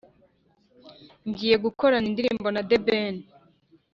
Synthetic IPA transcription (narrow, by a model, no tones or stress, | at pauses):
ŋɡiːje̞ɡuko̞ɾanindiɾḭːmbo̞nadeben